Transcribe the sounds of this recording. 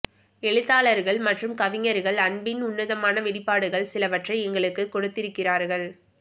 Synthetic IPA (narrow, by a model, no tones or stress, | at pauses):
ɛɻɯt̪ːaːɭɐɾɣɐɭmɐʈrɯmkɐʋɪŋɐɾɣɐɭɐɳbɪnʊnːɐðɐmaːnɐʋɪɽɪpːaːɽɯɣɐɭsɪlɐʋɐʈrɐɪɛŋɡɐɭɯkːɯkːɔɽɯt̪ːɪɾɯkːɪraːɾɣɐɭ